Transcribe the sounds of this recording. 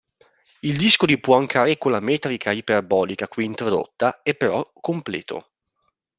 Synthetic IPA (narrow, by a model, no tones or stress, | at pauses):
ild̪iskod̪ipwɔaŋkaːɾekːolːamɛːt̪ɾikʰaipeɾbɔːlikakwiːnt̪ɾod̪o̰t̪ːaepːeɾɔkːomplɛ̰ːt̪o̰